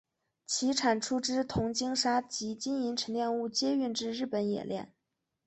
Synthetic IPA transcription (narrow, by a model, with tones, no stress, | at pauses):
t͡ɕʰi˧˥ʈ͡ʂʰa˨˩nʈ͡ʂʰu˥ʈ͡ʂɻ̩˥t̪ʰʊ˧˥ŋt͡ɕi˥ŋʂa˥t͡ɕi˧˥t͡ɕi˥ni˧˥nʈ͡ʂʰə˧˥ŋljɛ˥˧nu˥˩t͡ɕjɛ˥y˥˧nʈ͡ʂɻ̩˥˧ɻɻ̩˥˩pə˧˥njɛ̰˨˩ljɛ̰˥˩n